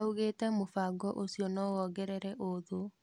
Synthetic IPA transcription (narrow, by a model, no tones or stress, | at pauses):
uɣetɛmofaɡɔʔosiɔnɔɔɡɛɾɛɾɛʔoðo